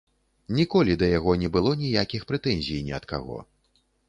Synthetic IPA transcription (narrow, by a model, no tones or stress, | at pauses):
nʲikɔlʲid̪ɐjaɣɔnʲɛbɨlˠɔnʲijakʲixpɾɛt̪ɛnʲzʲijnʲɛɐt̪ka̰ɣɔ̰